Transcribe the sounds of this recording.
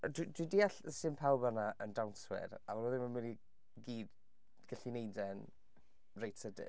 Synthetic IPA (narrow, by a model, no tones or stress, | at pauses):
dwidwidiːaɬəsɪnpʰawbanaʔəndawnswɪ̰ɾavɔlˠəðɪmənmɪni | ɡiːd | ɡ̥aɬinejdɛn | rejtsədɪ̰